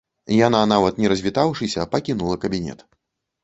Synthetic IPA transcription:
jananavɐt̪nʲɛɾɐzʲvʲit̪awʂɨsʲɐpɐkʲinulˠɐkɐbʲinʲɛ̰t̪

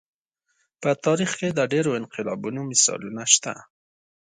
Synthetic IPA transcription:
pət̪ɑɾixked̪əɖeɾoɪnqɪlɑbunomɪsɑ̰lunaʃt̪a̰

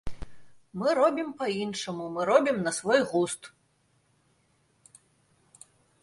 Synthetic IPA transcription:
mɨɾɔbʲimpɐinʂɐmumɨɾɔbʲimnɐsvɔjɣust̪

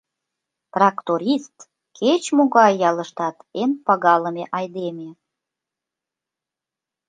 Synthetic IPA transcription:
t̪rɑkt̪oɾʲist̪ | kʰet͡ɕmoɣɑjːɑlə̆ʃt̪ɑt̪enpɑɣɑləmeʔɑjd̪eme

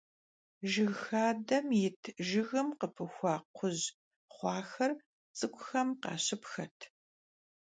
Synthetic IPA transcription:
ʒɪɣxaːdɐmjɪtʰʒɪɣɨmqəpʰɨxʷɑːqʷʰʊʑ | χʷɑːxɐr | t͡sʼɨkʷʼʊxɐmqɑ̰ːɕɪpxɐtʰ

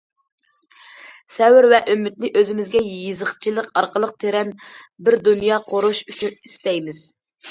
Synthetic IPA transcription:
sɛwɪɾvɛʔømːyt̪̚nɪʔøzɪmɪzɡʲɛjizəχt͡ʃʰilˠəqɑɾqəlˠəq̚t̪ʰeɾɛnbɪɾd̪unjɑqʰoɾuʃyt͡ʃʰynist̪ɛjmɪz̥

